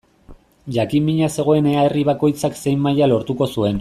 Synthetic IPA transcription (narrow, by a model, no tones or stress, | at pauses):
ʝakimiɲase̞ɣ̞o̞e̞ne̞aeriβako̞jt͡sakse̞jmːajalo̞ɾt̪uko̞sue̞n